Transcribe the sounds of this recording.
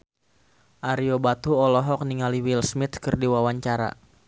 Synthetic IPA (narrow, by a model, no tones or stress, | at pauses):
ʔaɾiobat̪uɔlɔɦɔk̚niŋaliwilsmit̪̚kɨrdiwawaɲt͡ʃaɾa̰